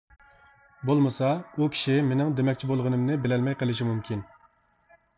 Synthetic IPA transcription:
bolˠmɨsɑukʲʰi̥ʃimenɪŋd̪emɛk̚ʲt͡ʃʰibolˠʁənɨmnɨbɪlɛlmɛjqəlˠɪʃ̬imumkʲʰin

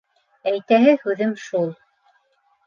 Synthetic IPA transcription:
æjt̪æɦɘhʉðɘmʃulˠ

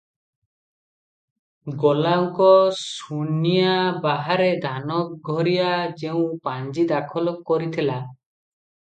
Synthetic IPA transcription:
ɡɔlaɔŋkɔsunijabaɦaɾed̪ʱanɔk̚ɡʱɔɾijad͡ʒew̃paɲd͡ʒid̪akʰɔlɔkːɔɾit̪ʰila

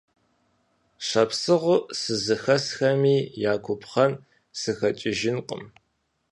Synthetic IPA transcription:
ɕɐpsɨʁʷʊʔsɨzɨxɐsxɐmiːjaːkʷʰʊpʰχɐn | sɨxɐt͡ʃʼɪʒɪnqʼə̰m

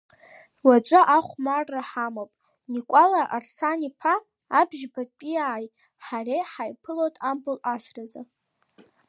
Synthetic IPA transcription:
wat͡ʃʷʼaʔaχʷmarːaħamopʼ | nikʷʼalaʔa̰rsanipʰaː | bʒbapʼiaːj | ħarejħajpʰɨlotʼambɨlasraza

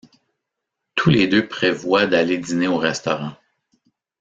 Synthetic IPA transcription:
t̪ʰuled̪øpχevwad̪aled̪ineoʁɛst̪ɔʁɑ̃

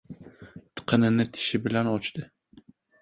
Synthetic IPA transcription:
t̪ʰɨ̥qʰənɨnɪt̪ʰɪ̥ʃɪbɪlɛnot͡ʃt̪ɨ

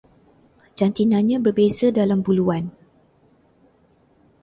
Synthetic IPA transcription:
d͡ʒant̪inãɲãbərbesədalambuluan

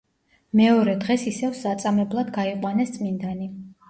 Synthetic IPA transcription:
mɛɔɾɛd̪ʁɛsisɛvsat̪sʼamɛblˠad̪ɡaiqʼwanɛst̪sʼmind̪ani

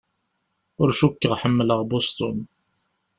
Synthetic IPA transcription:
ʊɾʃukːəʁħəmːləʁbost̪ʊn

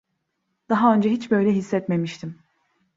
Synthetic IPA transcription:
d̪̥aɦaø̞nd͡ʒɛɦit͡ʃbø̞jlʲɛɦisːɛt̪me̞miʃt̪ʰim

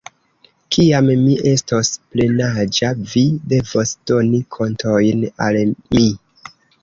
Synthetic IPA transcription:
kʰiammiʔe̞stosple̞nad͡ʒavide̞vo̞sd̥o̞nikʰo̞ntʰojnalmi

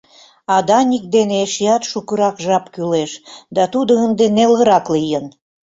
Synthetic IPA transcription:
ɑd̪ɑnʲik̚d̪eneeʃijɑt̪ʃukəɾɑkʒɑpkyleʃd̪ɑt̪ud̪oənd̪enelɣə̆ɾɑklijən

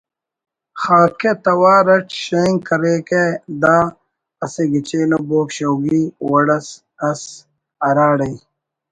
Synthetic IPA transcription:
xaːket̪ɐwaːɾɐʈɕeŋkɐɾeked̪aː | ɐseɡit͡ɕeːloboːkɕɐwɡiːwɐɽɐs | ɐs | ɐɾaːɽɐi

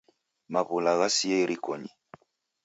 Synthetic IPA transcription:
maβulaɣasiɛiɾikɔɲi

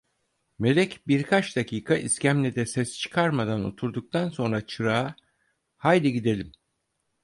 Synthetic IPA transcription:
me̞lʲɛcbiɾkʰat͡ʃd̪acʰiːkʰaʔiscʰæmlʲɛd̪ɛsɛst͡ʃʰɯ̥kʰaɾmad̪ano̰t̪ʰuɾd̪uk̚t̪ʰanso̞nɾat͡ʃʰɯɾaː | hajd̪iɟid̪e̞lʲim

